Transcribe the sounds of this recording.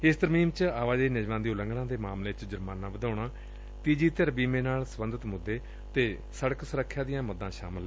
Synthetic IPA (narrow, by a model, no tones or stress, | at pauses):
ɪst̪əɾmiːmt͡ʃaːʋaːd͡ʒ̪eːnɪd͡ʒʋãːd̪iːʊlə̃ŋɡɽãːd̪eːmaːmleːt͡ʃd͡ʒəɾmaːnãːʋəd̪ʱaːɽaː | t̪iːd͡ʒiːt̪əɾbiːmẽːnaːlsəbənd̪ət̪mʊd̪ːeː | t̪eː | səɽəksəɾəkʰːjaːd̪ɪjãːməd̪ãːʃa̰ːməlː